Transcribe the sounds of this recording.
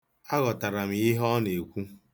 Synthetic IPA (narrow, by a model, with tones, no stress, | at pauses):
a˦ɣɔ˨ta˨ɾa˨m˨ɪ˦ɦɔ˦ne˨kʷu˦